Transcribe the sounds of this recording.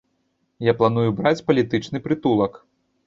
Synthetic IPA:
japlˠanujubɾat͡sʲpɐlʲit̪ɨt͡ʂnɨpɾɨt̪ulˠɐk

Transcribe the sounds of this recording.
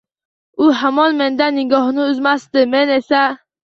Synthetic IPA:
ʊɦamɒnme̞nd̪anːɪɡɒhnɪʊzmasd̪ɪmene̞sa

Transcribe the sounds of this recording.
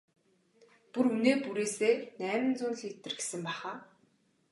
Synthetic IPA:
puɾuneːpuɾeːseːnæːmɘ̆nt͡sʊːnɮet̪ːɘ̆rɡe̥sɘ̆mpæːχaː

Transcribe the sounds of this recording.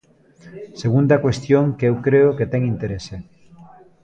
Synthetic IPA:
seɣund̪ɐkwest̪joŋkewkɾeoket̪eŋint̪eɾese

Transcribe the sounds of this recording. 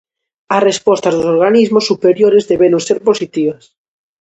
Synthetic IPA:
asrespɔst̪azðosoɾɣanizmosːupeɾjoɾezðeβenoŋseɾposit̪iβ̞as

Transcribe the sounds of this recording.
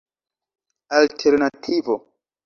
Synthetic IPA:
altʰeɾnatʰivo

